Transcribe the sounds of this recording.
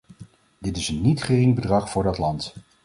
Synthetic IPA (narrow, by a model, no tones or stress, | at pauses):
dɪtɪsənːitχərɪŋbədrɑχfʊːɹdɑtlɑnt